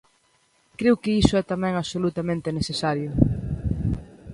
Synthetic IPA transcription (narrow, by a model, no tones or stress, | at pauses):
kɾewkɪisʊɛt̪amɛ̃ŋaβsolut̪amẽnt̪ɪnesθesaɾjʊ